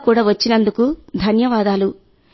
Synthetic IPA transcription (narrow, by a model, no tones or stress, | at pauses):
kuːɽaːʋɐt͡ʃːinɐnd̪ukud̪ʱɐnjɐʋaːd̪aːlu